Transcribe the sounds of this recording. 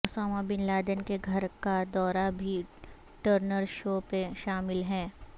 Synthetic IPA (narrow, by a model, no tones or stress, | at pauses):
sɔːmabɪnlaːd̪ənkeɡʱɐɾkad̪ɔːɾabʱi | ʈəɾnəɾʃoːpeʃaːmɪlɦɛ̃ː